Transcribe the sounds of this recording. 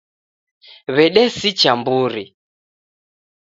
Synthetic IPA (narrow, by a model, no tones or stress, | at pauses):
βɛɗɛsit͡ʃambuɾi